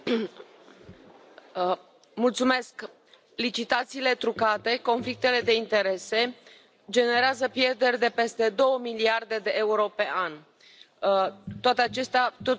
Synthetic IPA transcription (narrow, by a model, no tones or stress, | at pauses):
mult̪sume̞sk | lit͡ʃit̪at̪siːle̞t̪ɾukat̪e̞ko̞nflik̚t̪e̞le̞d̪e̞int̪e̞ɾe̞se̞ | d͡ʒe̞ne̞ɾeazəpje̞rd̪e̞rʲd̪e̞pe̞st̪e̞d̪o̞wəmiliard̪e̞d̪e̞ʔe̞uɾo̞pe̞ʔan | t̪oat̪eat͡ʃe̞st̪eat̪o